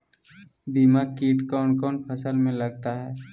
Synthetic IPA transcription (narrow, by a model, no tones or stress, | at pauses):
d̪ɪmaːkːiːʈkɔːɳkɔːnpʰəsəlmẽləɡt̪aɦɛː